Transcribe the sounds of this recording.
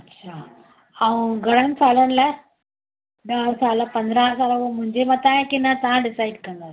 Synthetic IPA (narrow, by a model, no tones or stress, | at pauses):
ɐtːʃʰa | ɐʋɐ̃ɡɐɽɐnsaːlɐnlɐ | ɖ̪aːɾsaːlɐpɐnd̪ɾãːsaːlɐõːmʊ̃ɲd͡ʒemãt̪ãːjekːɪnːãt̪ãːɖɪsaɪɖkɐnd̪aː